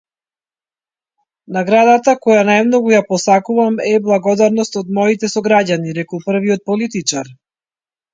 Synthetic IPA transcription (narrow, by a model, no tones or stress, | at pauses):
naɡɾad̪at̪akɔjanajmnɔɡujapɔsakuvamɛblˠaɡɔd̪aɾnɔst̪ɔd̪mɔit̪ɛsɔɡɾaɟaniɾɛkɔlˠpr̩viɔt̪̚pɔlit̪it͡ʃaɾ